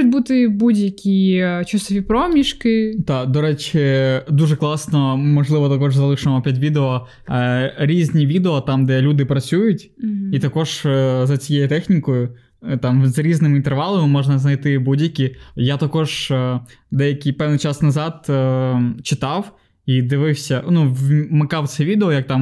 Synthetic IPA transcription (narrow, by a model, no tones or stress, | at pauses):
ʊt̚ʲbut̪ɪbudʲjɐkʲit͡ʃusɔʋʲipɾɔmʲiʃkɪt̪ɑd̪ɔɾɛt͡ʃɪd̪uʒɛklˠɑsnɔmɔʒlˠɪʋɔt̪ɐkɔʒzɐlˠɪʃɐmɔpʲɛtʲʋʲid̪eɔ | ɾʲizʲnʲiʋʲid̪eɔt̪ɑmd̪ɛlʲud̪ɪpɾɐt͡sʲujʊtʲit̪ɐkɔʒ̥zɐt͡sʲijejut̪ɛxnʲikɔjʊ | t̪ɑmzɾʲiznɪmint̪ɛrʋɑlˠɐmɪmɔʒnɐznɐjt̪ɪbudʲjɐkʲijat̪ɐkɔʒ | d̪ɛjɐkʲipɛʋnit͡ʃɑsnɐzɑt̪ | t͡ʃɪt̪ɑw | id̪ɪʋɪwsʲɐnuʋmɪkɑwsɛʋʲid̪eɔjɐk̚t̪ɑm